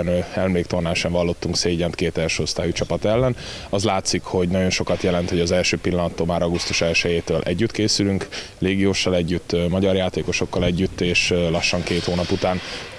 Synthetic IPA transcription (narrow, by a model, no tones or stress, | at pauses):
nɛlmleːk̚t̪o̞rnaːʃɛɱvɒlːo̞t̪ːuŋkseːɟɛnt̪keːt̪ɛlʃøost̪aːjut͡ʃɒpɒt̪ɛlːɛn | ɒzlaːt̪sikho̞ɟnɒɟo̞nʃo̞kɒt̪jɛlɛnt̪ho̞ɟɒzɛlʃøːpilːɒnɒt̪ːomaːɾɒɡust̪uʃɛlʃɛjeːt̪øːlʔɛ̰ɟːyt̪keːsylyŋk | leːɡijoːʃːɒlɛɟːyt̪ːmɒɟɒrjaːt̪eːko̞ʃo̞kːɒlɛɟːyt̪ːeːʃlɒʃːɒŋkeːt̪hoːnɒput̪aːn